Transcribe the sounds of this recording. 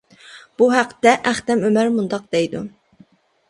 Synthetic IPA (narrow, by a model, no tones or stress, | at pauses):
b̥uɦæqːt̪ɛʔæχt̪ɛmømæɾmund̪ɑq̚d̪ɛjd̪u